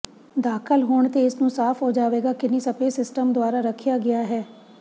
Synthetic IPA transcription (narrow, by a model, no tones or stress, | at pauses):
d̪aːkʰəlɦoːɳt̪eːɪsnũːsaːfɦod͡ʒaːʋeːɡaːkɪnisəpeːsɪsʈəmd̪ʊaːɾaɾəkʰijaːɡɪjaːɦɛː